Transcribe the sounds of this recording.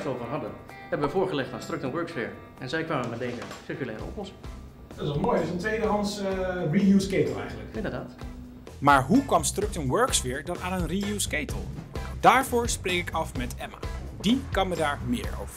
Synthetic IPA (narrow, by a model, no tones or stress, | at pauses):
towvərɦɑdən | ɦɛbəʋəvʊːɹχəlɛχtaːnstrʏktənʋɜɹksfɪ̰ːɹ | ɛnzɛjkʋaːmənmɛdejzəsɪrkylɛːɾə̰ɔ̰plɔsɪŋ | d̥ɔtɪsʋɔlˠmoːjɪsəntʋejdəɦɑntsrijuskejtəlˠɛ̰jχənləkɪndəɹdaːt | maːɹɦukʋɑmstrʏk̚tənʋøɹksfɪːɹdɑnaːnənrijuskejtəlˠd̥aːɹvʊːɹsprejkɪkɑfmɛtʰɛma̰dikɑmədaːɹmɪ̰ːɹo̰wvəɹ